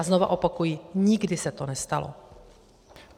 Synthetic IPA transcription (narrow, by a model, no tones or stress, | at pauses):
azno̞va̰ʔo̞pakujiːɲɪɡdɪsɛt̪o̞nɛst̪a̰lo̰